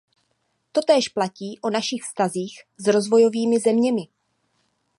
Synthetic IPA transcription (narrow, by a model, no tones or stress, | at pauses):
t̪o̞t̪ɛːʃplaciːʔo̞naʃɪxfst̪aziːxzɾo̞zvo̞jo̞viːmɪzɛmɲɛmɪ